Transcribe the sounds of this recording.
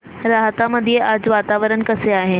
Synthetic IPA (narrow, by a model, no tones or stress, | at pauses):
ɾaːɦət̪amɐd̪ʱijeʔaːd͡ʑʋaːt̪aːʋəɾənkɐseaːɦe